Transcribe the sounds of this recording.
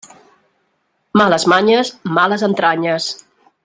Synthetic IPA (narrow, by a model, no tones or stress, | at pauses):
maləzmaɲəsmaləzənt̪ɾaɲəs